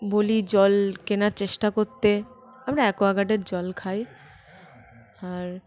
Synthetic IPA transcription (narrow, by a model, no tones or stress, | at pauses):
bolid͡ʑɔlkenaɾt͡ɕeʃʈakoɾt̪e | amɾaɛkoaɡaɖeɾd͡ʑɔlkʰaj | aɾ